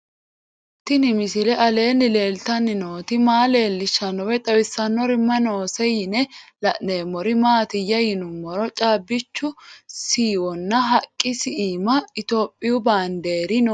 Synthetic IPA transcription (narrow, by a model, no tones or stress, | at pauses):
t̪ɪnɪmɪsɪlɛʔɐle̞ːnːɪle̞ːlt̪ɐnːɪnoːt̪ɪmaːle̞ːlːɪʃːɐnɔwɛt̪ʼɐwɪsːɐnːɔɾɪmːɐnoːsɛjɪnɛlɐʔneːmɔɾɪmaːt̪ɪjːɐjɪnʊmːɔɾɔt͡ʃʼaːbːɪt͡ʃːʊsiːwɔnːɐɦɐkʼːɪsɪiːmɐɪt̪oːpʼːɪjʊbaːnd̪e̞ːɾɪnɔ